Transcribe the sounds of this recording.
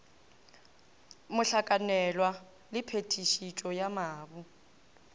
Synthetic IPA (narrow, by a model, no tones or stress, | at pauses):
mʊɬakʼanɛlwa | lɪpʰetʰiʃit͡ʃʼɔjamaːbʊ